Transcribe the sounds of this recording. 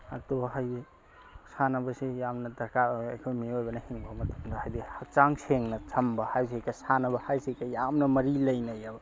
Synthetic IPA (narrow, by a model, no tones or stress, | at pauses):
atoɦaje | sanɐbɐsejamnɐdɐkaajkʰojmiojbɐnɐhiŋbɐmɐtu̥mdɐhajdihɐk̚t͡ʃaŋseŋnɐt͡ʃʰɐmbɐhajs̬ekʰɐsanɐbɐhajsekʰajamnɐmɐɾilɐjnɐjabɐ